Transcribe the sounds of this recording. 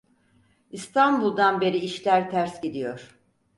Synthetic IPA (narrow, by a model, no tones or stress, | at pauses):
ist̪ʰanbulˠd̪anbe̞ɾiːʃlʲæɾt̪ʰæɾsɟid̪ijo̞ɾ̥